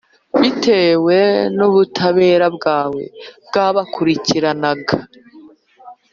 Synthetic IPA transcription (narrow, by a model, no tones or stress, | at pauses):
βite̞ːwe̞nuβutʰaβe̞ːɾabɡaːwe̞̰bɡaːβakʰuɾiciɾanaɡa